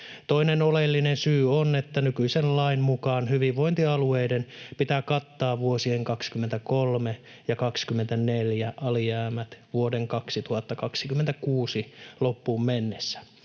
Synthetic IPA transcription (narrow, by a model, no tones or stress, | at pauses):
t̪oinenolelːinensyːonet̪ːænykyisenlɑimmukɑːnhyʋiʋʋoint̪iɑlueidenpit̪æːkɑt̪ːɑːʋʋuosieŋkɑkskyment̪ækolme | jɑkɑkskymːent̪æneljæʔɑlijæːmæt̪ʋuodeŋkɑksit̪uhɑt̪ːɑkɑksikyment̪ækuːsilopːuːmmenːesːæ̥